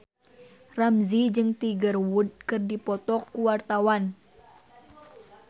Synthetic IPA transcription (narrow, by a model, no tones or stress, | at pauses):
ramzid͡ʒɨŋt̪iɡərwud̚kɨrdipɔt̪ɔkːuwart̪awan